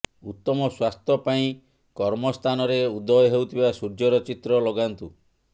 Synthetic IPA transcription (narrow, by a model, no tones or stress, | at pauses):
ut̪ːɔmɔswast̪ʰjɔpaĩ | kɔɾmɔst̪ʰanɔɾeud̪ɔjɔɦewt̪ʰibasuɾd͡ʒɔɾɔt͡ʃit̪ɾɔlɔɡant̪u